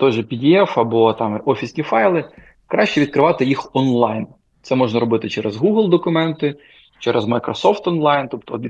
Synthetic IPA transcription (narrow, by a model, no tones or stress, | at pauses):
t̪ɔʒɛpʲidʲiɛfɐbɔt̪ɑmʔɔfʲisʲnʲifɑjlˠɪ | kɾɑʃt͡ʃɛʋʲid̪̚kɾɪʋɑt̪ɪjixɔnlˠɑjn | t̪sɛmɔʒnɐɾɔbɪt̪ɪt͡ʃɛɾezɦuɦlˠd̪ɔkʊmɛnt̪ɪ | t͡ʃɛɾʔɛzmɐjkɾɔsɔft̪ɔnlˠɑjnt̪ɔpt̪ɔd̪ʲi